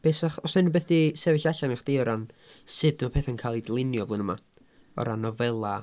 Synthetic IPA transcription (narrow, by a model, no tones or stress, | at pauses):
b̥eːsaχɔsnanubeθdisɛvɪɬaɬanaχd̥iɔɾan | sɨdmapʰeːθankʰaːlˠidlˠɪnjɔvlˠɨnəma | ɔ̰ɾanɔvɛlˠa